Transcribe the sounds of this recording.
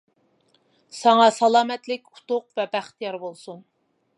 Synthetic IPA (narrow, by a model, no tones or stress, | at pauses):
sɑŋɑsɑlˠɑːmɛt̪lɪkʲu̥t̪ʊqvɛbæχt̪jɑɾbolˠsun